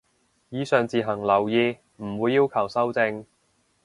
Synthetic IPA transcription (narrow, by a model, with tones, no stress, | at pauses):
jiː˨˧sœː˨ŋt͡siː˨ɦɐ˨˩ŋlɐ˨˩wjiː˧ | m̩˨˩wuː˨˧jːiː˥wkʰɐ˨˩wsɐ˥wt͡sɪ˧ŋ